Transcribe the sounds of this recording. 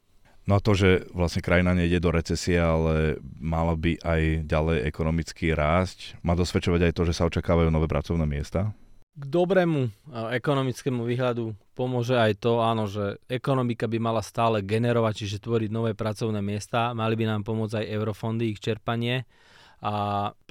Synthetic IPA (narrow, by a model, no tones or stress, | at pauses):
nɔat̪ɔʒɛʋlasɲɛkɾajinaɲɛiɟɛd̪ɔɾɛt͡sɛsiɛalɛmalabiʔajɟalɛjɛkɔnɔmit͡skiːɾaːscmaːd̪ɔsʋɛt͡ʃɔʋaɟajt̪ɔʒɛsaɔt͡ʃakaːʋajuːnɔʋɛːpɾa̰t͡sɔʊnɛːmɪɛst̪aːɡd̪ɔbɾɛːmuɛkɔnɔmit͡skɛːmuʋiːɦʎad̪upɔmʊɔʒɛajt̪ɔaːnɔʒɛɛkɔnɔmikabimalast̪aːlɛɡɛnɛɾɔʋact͡ʃiʒɛt̪ʋɔɾiɟnɔʋɛːpɾat͡sɔʊnɛːmɪɛst̪aːmalibinaːmpɔmʊɔd͡zajɛʊɾɔfɔnd̪iːxt͡ʃɛɾpaɲɪɛ | a